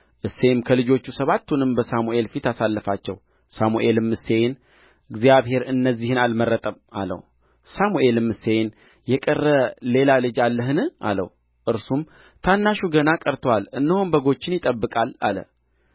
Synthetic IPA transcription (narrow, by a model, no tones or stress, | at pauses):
ʔɨsːe̞mkʰəlɨd͡ʒo̞t͡ʃːusəβat̪ʰːunɨmbəsamuʔe̞lfit̪asalːəfat͡ʃːɛ̰w | samuʔe̞lɨmːɨse̞jn | ɨɡzijaβhe̞ɾɨnːəzːihɨnalmərːət̪ʼəma̰lə̰w | samuʔe̞lɨmɨse̞n | jɛkʼərːəle̞lalɨd͡ʒalːəɦɨnɨʔa̰lə̰w | ʔɨɾsum | t̪ʰanːaʃuɡənakʼəɾt̪ʰwalɨnːəhombəɡo̞t͡ʃːɪnjɪt̪ʼəbːɨkʼala̰lə̰